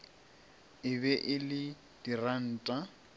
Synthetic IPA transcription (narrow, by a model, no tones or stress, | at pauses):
ɪbɛʔɪlɪ | d̥iran̩ːtʼa